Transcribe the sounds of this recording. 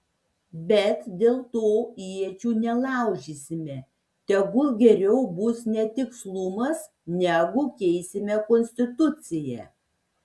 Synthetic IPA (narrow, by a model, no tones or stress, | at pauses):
bʲɛt̪d̪ʲeːlˠt̪oːiɛt͡ʃʲuːnʲɛlˠɑˑʊʒʲiːsʲɪmʲɛ | t̪ʲɛɡʊlˠɡʲɛɾʲɛʊbʊsnʲɛt̪ʲɪkslˠʊmɐs | nʲæɡʊkʲɛɪsʲɪmʲɛkɔnʲsʲt̪ʲɪt̪ʊt̪sʲɪjɛ